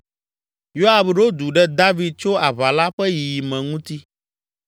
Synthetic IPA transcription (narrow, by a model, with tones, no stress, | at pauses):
jo˦a˨bɖo˦d̪u˨ɖɛ˦d̪a˦vi˨d̪̚t͡ʃo˦a˨βa˨la˦ɸɛ˦ji˨i˨mɛ̃˨ŋũ˦t̪i˦